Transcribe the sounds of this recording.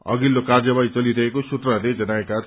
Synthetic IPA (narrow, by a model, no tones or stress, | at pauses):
ʌ̰ɡilːokard͡zʌbajt͡sʌliɾʌɦekosut̪rʌɾled͡zʌnaeka